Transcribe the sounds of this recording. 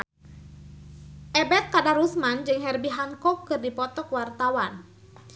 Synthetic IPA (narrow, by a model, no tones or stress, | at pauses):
ʔɛbɛt̪̚kadarusmand͡ʒɨŋɦɛrbiɦaŋkɔkːɨrdipɔt̪ɔkwart̪awan